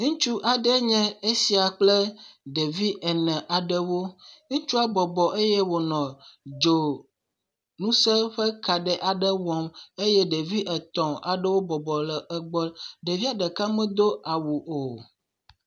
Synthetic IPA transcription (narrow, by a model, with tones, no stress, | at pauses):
ŋũ˦t͡ʃu˦ʔa˨ɖɛ˦ɲɛ̃˦e˦si˦a˨k͡ple˦ɖe˨vi˦ʔɛ˨nɛ̃˨ʔa˨ɖə˦wo˦ŋũ˦t͡ʃu˦a˦bɔ˨bɔ˨ʔe˦jɛ˦wo˨nɔ̃˨d͡ʒo˨ | nũ˦sɛ˦ɸə˦ka˨ɖɛ˨ʔa˨ɖə˦wɔ˨me˦je˦ɖe˨vi˦ʔɛ˨t̪ɔ̃˨a̰˨ɖə˦wo˦bɔ˨bɔ˨lə˨ə˨ɡ͡bɔ˦ɖe˨vi˦a˨ɖɛ˨ka˦mə̃˦d̪o˦a˨wu˨ʔo˨